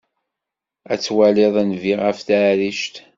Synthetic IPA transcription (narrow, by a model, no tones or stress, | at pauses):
æt͡sːwælɪðˤænviʁəfθaːɾiʃt̪